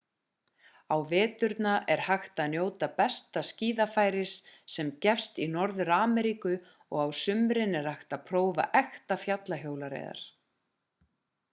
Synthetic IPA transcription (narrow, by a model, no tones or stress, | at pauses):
awvɛːt̪ʏɾt̪naʔɛɾ̥haxt̪aðnjoːwt̪apɛst̪asciːðafaːjɾɪsːɛmcɛfst̪inɔɾðʏɾaːmɛɾikʏ | ɔɣawsʏmɾɪnɛɾ̥axt̪aðpʰɾoːwva̰ʔɛxt̪afjat̪laɦjoːwlaɾḛjða̰ɾ̥